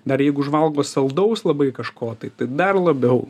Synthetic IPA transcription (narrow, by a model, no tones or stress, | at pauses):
d̪ɐɾjɛɪɡʊʊʒʋɐlˠɡoːsɐlˠd̪ɐʊslˠɐbɐɪkɐʃkoːt̪ɐɪt̪ɐɪd̪ɐrlˠɐbʲɛʊ